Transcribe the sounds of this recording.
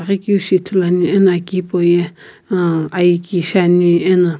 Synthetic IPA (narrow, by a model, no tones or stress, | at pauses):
aɣikiuʃit̪ʰulanienakipoje | ajikiʃanĩena